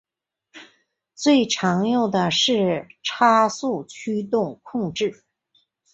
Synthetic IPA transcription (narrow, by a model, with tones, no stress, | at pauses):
t͡swe˥˩ɪʈ͡ʂʰɑ˧˥ŋjo˥˩ʊd̪ə˩ʂɻ̩˥˩ʈ͡ʂʰa˥su˥˩t͡ɕʰy˥t̪ʊ˥˧ŋkʰʊ˥˧ŋʈ͡ʂɻ̩˥˩